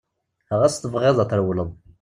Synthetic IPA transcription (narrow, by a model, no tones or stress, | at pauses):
həʁæst̪əvʁɪðˤɑt̪əɾwləðˤ